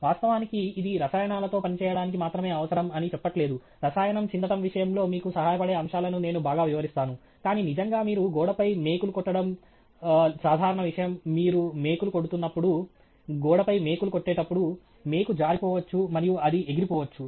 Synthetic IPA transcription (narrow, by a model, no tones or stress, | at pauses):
ʋaːst̪ɐʋaːnikiːd̪iɾɐsaːjɐɳaːlɐt̪o̞ːpɐnit͡ʃɛːjɐɽaːnik̬imaːt̪ɾɐme̞ːɐʋɐsɐɾɐmɐnit͡ʃɛpːɐʈle̞ːd̪u | ɾɐsaːjɐɳɐmt͡ʃind̪ɐt̪ɐmʋiʂɐjɐmlo̞ːmiːkusɐɦaːjɐpɐɽe̞ːɐmʂaːlɐnune̞ːnubaːɡaːʋiʋɐɾist̪aːnu | kaːniːnid͡ʒɐŋɡaːmiːɾuɡɔːɽɐpɐjme̞ːkulukɔʈːɐɽɐm | saːd̪ʱaːɾɐɳɐʋiʂɐjɐmːiːɾume̞ːkuluko̞ɽut̪unːɐpːuɽu | ɡɔːɽɐpɐjme̞ːkulukoʈːɛːʈɐpːuɽu | meːkud͡ʒaːɾipɔːʋɐt͡ʃːumɐɾijuɐd̪ieɡiɾipɔːʋɐt͡ʃːu